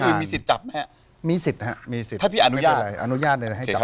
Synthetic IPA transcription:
kʰɯː˧mmː˧si˨˩t̪̚t͡ɕa˨˩p̚ma˦˥ja˨˩ | miː˧si˨˩t̪̚ha̰˦˥miː˧si˨˩t̪ʰaː˥˩pʰiː˥˩ʔa˧nu˦˩˦jaː˥˧˩ɾa˧jʔa̰˧nu˦˥jaː˥˩t̪̚na˧˩ɦa˥˩˧t͡ɕa˨˦

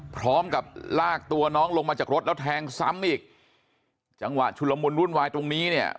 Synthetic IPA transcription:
pʰɾɔː˦˥mka˨˩p̚laː˥˩k̚t̪u˧ɐnɔː˦˥ŋlo˧ŋmaː˧t͡ɕaː˨˩kɾo˦˥t̪̚lɛː˦˥t̪̚ʰɛː˧ŋsa̰˦˥mʔiː˨˩k̚ | t͡ɕa˧ŋwa̰˨˩t͡ɕʰu˧lːa˧mu˧nɾu˥˩nwaː˧jt̪ɾo˧ŋniː˦˥ni˥˩ə

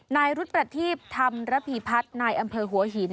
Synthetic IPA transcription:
naː˧jɾu˦˥t̪̚pɾa˧t̪ʰiː˥˩pp̚t̪ʰa˧mɾa˦˥pʰiː˧˩pʰa˦˥t̪̚naː˧jʔa˧mpʰɤː˧ɦu˩˦ɐɦiː˩˦n

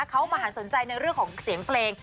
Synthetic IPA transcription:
kʰa˦˥wmaː˧ɦaː˩˦so˩˦nt͡ɕa˧jna˧jɾɯ˥˩əŋkɔː˩˦ŋsi˨˩˦əŋpʰleː˧ŋ

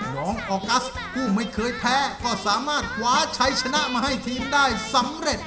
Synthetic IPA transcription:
nɔː˨˦˥ŋʔɔː˧˩ka˦˥s | kʰuː˥˩ma˥˩jkʰɤː˧jpʰɛː˦˥kɔː˥˩saː˩˦maː˥˩t̪̚kʰwaː˨˦t͡ɕʰa˦˥jt͡ɕʰa˧na˦˥ʔmaː˧˩ɦa˥˩jt̪ʰiː˧mdaː˥˩jsa˨˦mɾe˨˩t̪̚

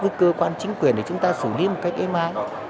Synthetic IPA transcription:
ɨ˧˦kəː˧kwaː˧nt͡ɕï˨˦ŋ̟kwi˨˩ənɗe˧˩t͡ɕʊ˨˦ŋ͡mt̪aː˧sɨ˧˩li˨˦mo˨˩t̚ka˦˥jk̚ʔɛ˧mʔaː˧˦j

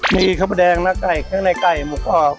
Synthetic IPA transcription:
miː˧kʰa˥˩pa˧dɛː˧ŋnaː˦˧˥ka˨˩jkʰɯ˦˥˨na˧˩jka˨˩jmu˨˩˦k̚ʔɔː˨˧˩k̚

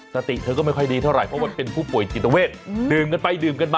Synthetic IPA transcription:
sa˧t̪ḭ˨˩ʔt̪ʰɤ˧kɔː˥˩ma˥˩kɔ˥˩jdiː˧t̪ʰa˥˩ɾa˨˩jpʰɔ˦˥ma˧pe˧npʰuː˥˩pu˨˩əjt͡ɕi˨˩t̪ːa˧weː˥˩t̪̚dɯː˨˩mka˧npa˧jdɯː˨˩mka˧nba˧

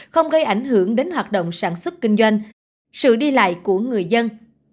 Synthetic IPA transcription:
xə˧wŋ͡mɣə˧jʔa˧˩jŋ̟ɦɨ˧˩əŋɗe˨˦nɦwaː˨˩t̚ɗo̰˧˨wŋ͡msaː˧˩nswə˦˥t̚kï˧ŋ̟zwa˧jŋ̟ | sɨ̰˧˨ɗi˧la̰ː˧˨jku˧˩əŋɨ˨˩əjzə˧n

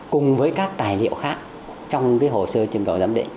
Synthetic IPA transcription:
kʊ˨˩ŋ͡mvəː˨˦jkaː˦˥k̚t̪aː˨˩jlḭ˧˨əwxaː˦˥k̚ | t͡ɕɔ˧wŋ͡mkaː˨˦jɦo˧˨˩səː˧t͡ɕɨ˧˩ŋkə˨˩wzaː˨˦mɗḭ˧˨ŋ

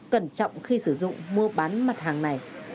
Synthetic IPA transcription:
kə˧˩nt͡ɕɔ̰˧˨wŋ͡mxi˧sɨ˧˩zʊ̰˧˨ŋ͡mmu˧əɓaː˨˦nma˨˩t̚ɦaː˨˩ŋna˨˩j

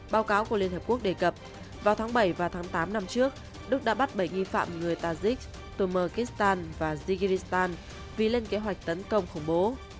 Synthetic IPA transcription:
ɓaː˨˦wkaː˨˦wku˧˩əli˧ənhə˨˩pku˦˥ək̚ɗe˧˩kə˨˩p̚ | vaː˨˩t̪ʰaː˨˦ŋɓə˧˩jvaː˨˩wt̪ʰaː˨˦ŋt̪aː˨˦mna˧mt͡ɕɨ˦˥ək̚ | ɗɨ˦˥k̚ɗa̰˧˥ɓa˦˥t̚ɓə˧˩jŋi˧˩fa̰ː˧˨mŋɨ˨˩əjt̪aː˧zi˦˥k̚ | t̪u˧˩məː˧˩ki˦˥st̪aː˧nvaː˨˩zi˧ɣi˧ɾi˦˥st̪aː˧n | vi˨˩le˧nke˨˦ɦwa˨˩jk̟̚t̪ə˨˦nkə˧wŋ͡mxʊ˧˩ŋ͡mɓo˨˦

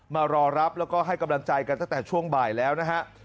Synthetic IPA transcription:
maː˧ɾɔː˧ɾa˦˥p̚lɛː˦˥wkɔː˥˩ɦa˥˩jka˧mla˧ŋt͡ɕa˧jka˧nt̪a˥˩ŋt̪ɛː˨˩t͡ɕʰu˥˩əŋbaː˨˩jlɛː˦˥wna˦˥kʰa˦˥ʔ

